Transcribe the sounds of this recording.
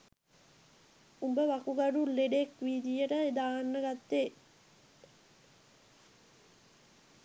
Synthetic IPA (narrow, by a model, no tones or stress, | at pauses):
umbəʋakuɡaɖulːeɖekʋiːd̪ijəʈəed̪aːnːəɡat̪ːe